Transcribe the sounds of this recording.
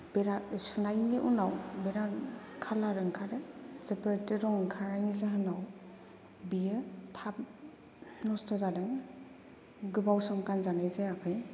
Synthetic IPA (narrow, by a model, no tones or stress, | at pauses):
beɾasunajniʔunawbeɾankʰalaɾɯŋkʰaɾesepaɾetiɾɔŋkʰaɾanizaɦɯnaw | bijɯtʰap̚ | nɔstɔzadeŋ | ɡɯbawsɔŋkanzanajzeakʰɯj